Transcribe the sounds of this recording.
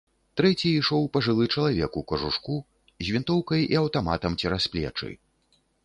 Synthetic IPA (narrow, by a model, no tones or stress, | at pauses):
t̪ɾɛt͡sʲiːʂɔwpɐʐɨlˠɨt͡ʂɐlˠavʲɛkukɐʐuʂku | zʲvʲint̪ɔwkɐjiɐwt̪ama̰t̪ɐmt͡sʲɛɾasplʲɛ̰t͡ʂɨ̰